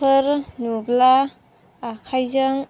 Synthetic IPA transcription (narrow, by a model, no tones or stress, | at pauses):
ɯɾnublaː | kʰajzaŋ